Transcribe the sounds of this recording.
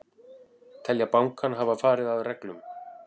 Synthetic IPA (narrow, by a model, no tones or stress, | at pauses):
t̪ʰɛljapawŋkʰanɦavafaːɾɪðaðrɛklʏm